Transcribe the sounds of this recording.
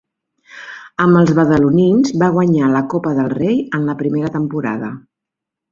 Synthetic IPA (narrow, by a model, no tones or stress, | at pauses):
əməlˠzβəðəluninzβaɣwəɲaləkopəðəlˠrejənləpɾimeɾət̪əmpuɾa̰ðə